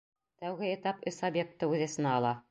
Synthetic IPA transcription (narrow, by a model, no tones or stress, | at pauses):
t̪æwɣɘet̪ɑpɵsabjek̚t̪ːɤʉðæsɤ̆nɑːlˠɑ